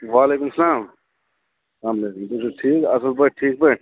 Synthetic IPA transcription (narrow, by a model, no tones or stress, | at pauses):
ʋaːleːkumsɐlaːm | aːmlekumt̪usuʈʰiːkɐ̰səlpəʈʰiːk̚pə